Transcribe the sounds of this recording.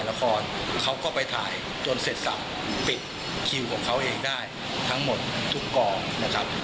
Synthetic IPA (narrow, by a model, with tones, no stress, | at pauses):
la˧kʰɔː˧nkʰa˦˥wkɔː˥˩pa˧jt̪ʰaː˩˦j | t͡ɕo˧nse˨˩t̪̚sa̰˨˩p̚ | pi˨˩t̪̚ | kʰi˨˩wkʰɔː˨˩˦ŋkʰa˦˥wʔeː˧ŋdaː˥˩j | t̪ʰa˦˥ŋmo˨˩t̪̚t̪ʰu˦˥kːɔː˧na˦˥kʰɾa˦˥p̚